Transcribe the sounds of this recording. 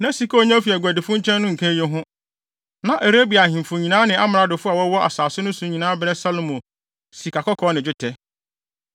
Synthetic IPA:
nã˦si˦ko˦ɲã˦fi˨ɛ˨ɡʷæ˨dɪ˨fʊ̃˦ɲ˦t͡ɕʰɛ̃˦nːʊ̃˦ŋ̩˨kʰɛ̃˦je˦ɦʊ̃˦ | nã˨ʔe˨ɾe˦bi˨a˨ɪ̃˨m˨fʊ̃˨ɲĩ˨nãː˦nɪ̃˨ʔa˦m˨ɾa˦dʊ˨fʊ˦a˨wɔ˦wɔ˦ʔa̰˨saː˨sʊ˦nʊ̃˦sũ˨ɲĩ˨nãː˦bɪ˦ɾɛ˦sa˦lo˨mõ˨ | si˨kʰa˨kɔ˦kʰɔ˦nɪ̃˨d͡ʑᶣɪ˦tʰɛ˦

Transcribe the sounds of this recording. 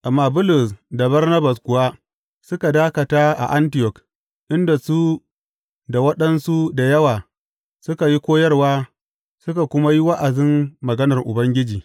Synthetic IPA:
ʔa˨mːaː˦bʊ˦lʊ˨sda˨bɐ˦rnɐ˦ba˨skʊ˨waː˦ | sʊ˦ka˨daː˦kɐ˨taː˦ʔa̰˨ʔa˦ntɪ˨jɔ˨k | ʔɪ˦nda˨su˦ | da˨wɐ˦ɗɐ˦nsu˦da˨jɐ˦waː˨ | sʊ˦ka˨ji˦kʷoː˦jɐ˦rwaː˦ | sʊ˦ka˨kʷʊ˦ma˦ji˦wɐ˦ʔa˨dɪ˦mːɐ˨ɡɐ˦nɐ˨rʔʊ˨bɐ˦ŋɡʲɪ˦d͡ʒiː˨

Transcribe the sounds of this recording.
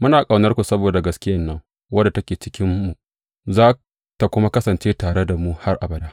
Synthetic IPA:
mʊ˦naː˨kʼa˨wnɐ˦rkʷu˨sɐ˦boː˨da˨ɡɐ˦skʲɪ˦jɐ˦˨nːɐ˦ŋ | wɐ˦dːa˨tɐ˦kʲeː˨t͡ʃɪ˦kʲɪ˦mːu˨ | zaː˦ | ta˨kʷʊ˦ma˦kɐ˦sɐ˨nt͡ʃeː˦taː˨ɽe˦da˨mu˦ha˦rʔa˨bɐ˦daː˦ʔ

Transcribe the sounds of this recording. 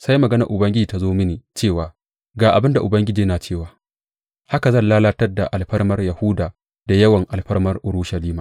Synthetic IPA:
sa˦jmɐ˨ɡɐ˦nɐ˨ʔʊ˨bɐ˦ŋɡʲɪ˦d͡ʒiː˨ta˦zoː˦mɪ˦niː˨t͡ʃeː˦˨waː˨ | ɡaː˨ʔa˨bɪ˦nda˨ʔʊ˨bɐ˦ŋɡʲɪ˦d͡ʒiː˨˦naː˨t͡ʃeː˦˨waː˨ | ha˦ka˨zɐ˦˨nlaː˦laː˦tɐ˦rda˨ʔa˨lɸɐ˦rmɐ˦rjɐ˨hʊː˦daː˨ | d̥a˨jɐ˦wɐ˨ŋʔa˨lɸɐ˦rmɐ˦rʔʊ˨ɾu˦ʃɐ˨liː˦maː˨

